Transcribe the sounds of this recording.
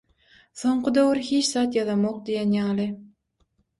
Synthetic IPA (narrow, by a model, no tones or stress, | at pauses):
soɴqʰɨd̪øwɾhet͡ʃsɑːt̪jɑðɑmoq̚d̪ejanjɑːlˠɪ